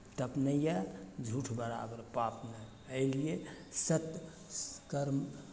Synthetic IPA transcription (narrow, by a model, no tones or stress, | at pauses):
ʈ̪əpnəjad͡ʒʱuʈʰbəɾa̰bəɾpapne | əɪlie | sət̪ | kəɾm